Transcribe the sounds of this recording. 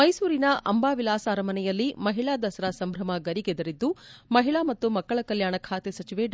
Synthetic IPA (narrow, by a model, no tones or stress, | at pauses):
mɐjsuːɾinɐʔɐ̰mbaːʋilaːsaːɾɐmɐnɛjɐlːimɐɦiɭaːd̪ɐsɐɾasɐmbʱɾɐmɐɡɐɾiɡed̪ɐɾid̪ːumɐɦiɭaːmɐt̪ːumɐkːɐɭɐkɐljaːɳɐkʰaːt̪esɐt͡ʃiʋe